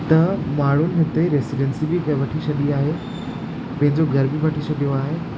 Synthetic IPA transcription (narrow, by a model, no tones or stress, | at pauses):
t̪ɐmaːɽ̤ʊnɪ̆ɦɪt̪eɾeːsiɖensibʱikɐʋɐʈʰisɐɗiaːɦe | pɐ̃ɦɪ̃ɲd͡ʑoɡʱɐɾbʱibɐʈʰisɐɗijoaːɦeː